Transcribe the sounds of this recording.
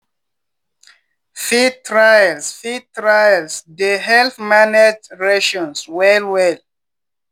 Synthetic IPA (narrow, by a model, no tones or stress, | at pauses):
fitʰɹajalsfitɹajlsdeɦɛlθmaned͡ʒɹɛʃɔ̃nswɛlwɛl